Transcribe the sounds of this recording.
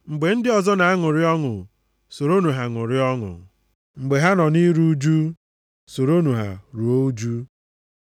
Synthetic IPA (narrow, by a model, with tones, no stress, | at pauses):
ŋ͡m̩˨ɡ͡be˨n̩˦dɪ˦ɔ˨zɔ˦na˨a˦ŋʊ˨ɾɪ˦ɔ˦ŋʊ̰˨ | so˨ɾo˦nu˨ɦa˨ŋʊ˨ɾɪ˦ɔ˦ŋʊ̰˨ | ŋ͡m̩˨ɡ͡be˨ɦa˦nɔ˨ni˦ɾu˦d͡ʒu˦ | so˨ɾo˦nu˨ɦa̰˨ɾu˨o˦u˦d͡ʒu˦